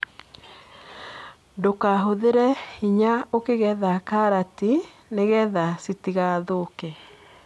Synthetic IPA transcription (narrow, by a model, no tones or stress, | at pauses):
ndokaɦoðeɾɛhiɲaokeɣɛðakaɾati | neɣɛðasitiɣaðoke